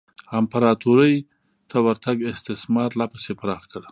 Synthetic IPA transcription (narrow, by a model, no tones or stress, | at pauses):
ampaɾɑt̪uɾəj | t̪ʰawaɾt̪aɡɪst̪ɪsmɑɾlapasepaɾɑχkəɽ